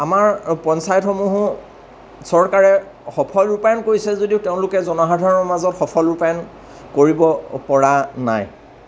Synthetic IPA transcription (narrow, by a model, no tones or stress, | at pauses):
amaɹpɔnsajɔtxɔmuɦʊ | sɔɹkaɹɛ | xɔpʰɔluɹpajɔnkoɹisɛzodiʊteʊ̃lʊkɛzɔnɔɦadʱaɹɔɹmazɔtxɔpʰɔluɹpajɔn | koɹibɔpɔɹana̰j